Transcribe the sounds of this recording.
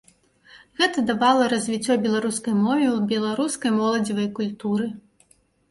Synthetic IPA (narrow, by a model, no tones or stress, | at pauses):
ɣɛt̪ɐd̪abalˠɐɾɐzʲvʲit͡sʲːɔbʲɛlˠaɾuskɐjmɔvʲɛwbʲɛlˠaɾuskɐjmɔlˠɐd͡zʲivɐjkulʲt̪uɾɨ